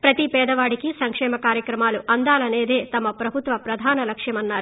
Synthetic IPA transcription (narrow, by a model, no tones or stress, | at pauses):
pɾɐt̪ipɛːd̪ɐʋaːɽikisɐŋkʂɛːmɐkaːɾjɐkɾɐmaːluʔɐnd̪aːlɐne̞ːd̪eːt̪ɐmɐpɾɐbʱut̪ʋɐpɾɐd̪ʱaːnɐlɐkʂjɐmɐnːaːɾu